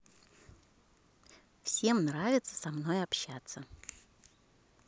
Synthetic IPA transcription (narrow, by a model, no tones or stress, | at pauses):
fsʲe̞mnɾavʲɪt̪sə̥sɐmnojɐpɕːat̪sə